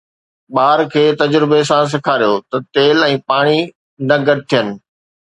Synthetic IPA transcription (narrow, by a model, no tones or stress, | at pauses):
ɓaːɾkʰeːt̪ɐd͡ʑɾɪbesãs̬ɪkʰaːɾijot̪ɐt̪eːlɛ̃ːpaːɽ̃i | nɐɡɐɾ̚t̪ʰijənɪ̆